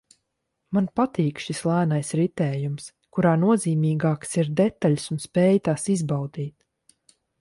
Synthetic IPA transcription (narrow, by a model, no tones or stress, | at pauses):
manpat̪iːkʃislˠæːnajsɾit̪ɛːjums | kuɾaːnuɔziːmiːɡaːksiɾd̪ɛt̪aʎʲsunspɛːjt̪aːsizbawd̪iːt̪̚